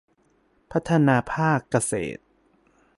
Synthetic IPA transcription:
pʰa˦˥t̪ʰːa˧naː˧pʰaː˥˩kːa˧sḛː˨˩t̪̚

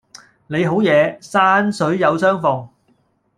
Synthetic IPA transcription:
ne˨˧jɦo˨˥wjɛː˨˧saː˥nsɵ˨˥ɥjɐ˨˧wsœː˥ŋfɔː˧ŋ

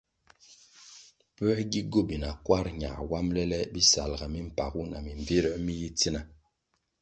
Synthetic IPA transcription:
pə˦ɡi˦ɡo˦˨bi˨na˨kwa˦ɾɲa̰˨wa˦mlɛ˦lɛ˦bi˦sa̰˨lɡa˨mi˦m̩˨pa̰˨ɣu˦na˨mi˨ɱvi˦ɾə˦mi˦ji˦ti˦na˨

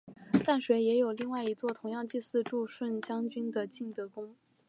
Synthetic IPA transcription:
t̪a˥˩nʂwe˧˥ɪjɛ˧˥jo˨˩ʊli˥˧ŋwa˥˩ɪi˧˥t͡swɔ˥˩t̪ʰʊ˧˥ŋjɑ˥˧ŋt͡ɕi˥˧sɹ̩˥˧ʈ͡ʂu˥˧ʂwə˥˩nt͡ɕjɑ˥ŋt͡ɕy˥nd̪ə˨t͡ɕi˥˩ŋt̪ɤ˧˥kʊ˥ŋ

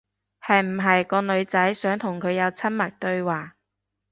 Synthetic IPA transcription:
hɐ˨jm̩˨˩ɦɐ˨jkɔː˧lɵ˨˧ɥt͡sɐ˨˥jsœː˨˥ŋt̪ʰʊ˨˩ŋkʰɵ˨˧ɥjɐ˨˧wt͡sʰɐ˥nmɐ˨˩k̚t̪ɵ˧ɥwaː˨

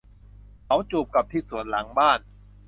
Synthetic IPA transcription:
kʰa˨˦˥wt͡ɕuː˨˩p̚ka˨˩p̚t̪ʰiː˥˩su˨˩˦ənla˩˦ŋbaː˥˩n

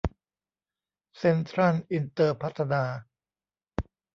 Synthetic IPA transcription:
se˧nt̪ʰɾa˥˩nʔi˧nt̪ɤː˧pʰa˦˥t̪ʰːa˧naː˧

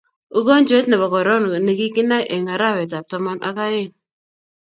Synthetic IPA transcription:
u˦ɡo˦nd͡ʒe˦tna˨bɔ˨kɔ˨ɾɔ˦n˨ne˨ɡi˦ki˦na˦ʔe˨ŋa˨ɾa˦˨wɛ˨ta˨p̚tɔ˨ma˦nʔa̰˦ka˦jɪ˦˨ŋ

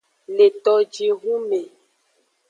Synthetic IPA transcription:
le˨t̪ɔ˨d͡ʒi˨ɣu˦me˨

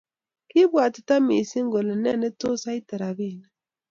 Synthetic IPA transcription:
ki˦βwa˨ti̥˨ta˦mi˨si˦ŋ˦ɡo˨le˨nɛ˦ne˦to˦sa˦i˦tɛ˨ɾa˨βi˦˨na˨

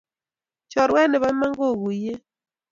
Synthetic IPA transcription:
t͡ʃɔ˨ɾwɛ˦nɛ˨βa˦ma˦ŋɡo˦˨ɣu˨je˦

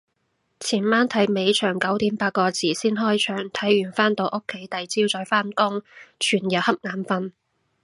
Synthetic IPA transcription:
t͡sʰiː˨˩nmaː˥nt̪ʰɐ˨˥jme˨˧jt͡ʃʰœː˨˩ŋkɐ˨˥wt̪iː˨˥mpaː˧t̚kɔː˧t͡sʰiː˨˩siː˥nɦɔː˥jt͡ʃʰœː˨˩ŋt̪ʰɐ˨˥jɥyː˨˩nfaː˥nt̪o˨˧ʔʊ˥kʰːe˨˥jt̪ɐ˨˧jt͡siː˥wt͡sɔː˨˥jfaː˥nkʊ˥ŋt͡ʃʰyː˨˩njɐ˨˩hɐ˥p̚ŋaː˨˥mfɐ˧n

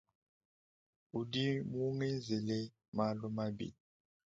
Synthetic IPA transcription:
u˨di˦m˦u˦ŋɛ˦nzɛ˨lɛ˦ | ma˨lɔ˦ma˦bḭ˨li

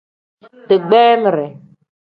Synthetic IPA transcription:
tɨ˨ɡ͡bɛː˦mə˨ɾɛ˨

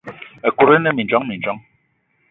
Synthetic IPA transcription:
e˨ku˨ɾɛ˦nɛ˦mi˨nd͡ʒwɔ˦ŋmi˨n˨d͡ʒɔ˦ŋ

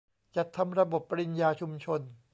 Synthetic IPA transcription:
t͡ɕa˨˩t̪ʰːa˧mɾa˧bo˨˩pːɾi˧njaː˧t͡ɕʰu˧mt͡ɕʰo˧n

